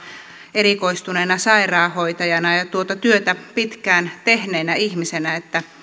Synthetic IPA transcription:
erikoist̪uneːnɑsɑirɑːhoit̪ɑjɑnɑjɑt̪uot̪ɑt̪yøt̪æpit̪kæːnt̪ehneːnæihmisenæet̪ːæ

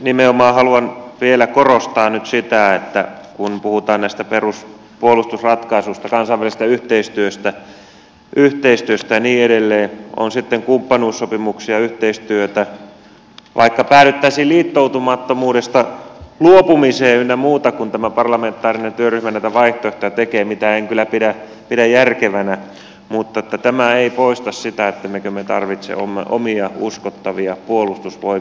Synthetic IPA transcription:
nimeomɑːhɑluɑnʋielækorost̪ɑːnyt̪sit̪æet̪ːækunpuhut̪ɑːnnæˑist̪æperus | puolust̪usrɑt̪kɑisust̪ɑkɑnsɑiʋːælist̪æyht̪eist̪yøst̪æ | ʔyht̪eist̪yøst̪æɑniːeɾelːeːo̰nsit̪ːeŋkumpːɑnuːsːopimuksiɑyht̪eist̪yøt̪æ | ʋʔɑ̰ikːɑpæːlyt̪ːæisiːlliːt̪ːout̪umɑt̪ːomuːdest̪ɑluopumiseːynːæmuːt̪ɑkunt̪æmæpɑrlɑment̪ːˑɑːrinent̪yøryhmænæit̪æʋɑiht̪ooht̪ɑt̪ekeːmit̪æeŋkylːˑæpiɾæ | pidæjjærkeʋænæ | mut̪ːɑet̪ːæt̪æmæeipoist̪ɑssit̪æet̪ːæmekømet̪ɑrʋit̪sḛo̰mːḛʔo̰miɑuskot̪ːɑʋiɑpuolust̪usʋoi

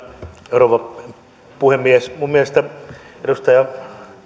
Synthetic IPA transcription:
eroˑpɑ | puhemːiesmummielest̪æedust̪ɑjɑ

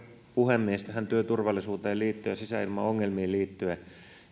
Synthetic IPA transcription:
puhemːiest̪æhænt̪yøt̪urʋɑlːˑisuːt̪eːlliːt̪ːyæsisæilmɑ̰oŋːelmiːliːt̪ːyæ

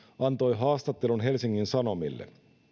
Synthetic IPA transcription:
ɑnt̪o̞jɦɑːst̪ɑt̪ːe̞lunɦe̞lsiŋːinsɑno̞milːḛ

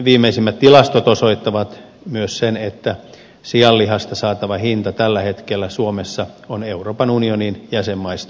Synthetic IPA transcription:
ʋiːmːˑeisimːæt̪t̪ilɑst̪ot̪osoit̪ːɑʋɑt̪ | myøssenet̪ːæ | siɑlːiɦɑst̪ɑsɑːt̪ɑʋɑhint̪ɑt̪ælːæhet̪kelːæsuomesːɑoneuroːpɑnunioninjæsemːɑist̪ɑ

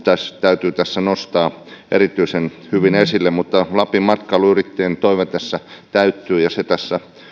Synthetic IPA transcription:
t̪æst̪æyt̪yːt̪æsːænost̪ɑːʔḛrit̪ˑyisen | hyʋinesilːemmut̪ːɑlɑpimɑt̪kɑluyrit̪ːeːnt̪oiʋet̪æsːæt̪æyt̪ːˑyːjɑset̪æsːæ

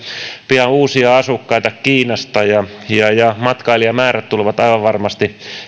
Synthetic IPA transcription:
piɑuːsiɑɑsukːɑit̪ɑkiːnɑst̪ɑjɑjɑjɑmɑt̪kɑiliɑmæːræt̪t̪ulʋɑt̪ɑiʋɑʋʋɑrmɑst̪i

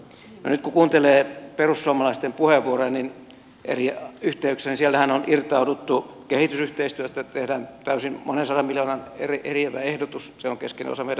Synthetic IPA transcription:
no̰nyt̪kukuːnt̪eleːperussuomɑlɑist̪empuheʋːuorennin | ʔḛriyht̪eyksenisielt̪æhænonirt̪ɑudut̪ːu | kehit̪ysyht̪eist̪yøt̪æt̪ehdæːnt̪æysinmonensɑdɑmmiljoːnɑnḛriʔerieʋæehdot̪usseoŋkeskenḛo̰sɑmei

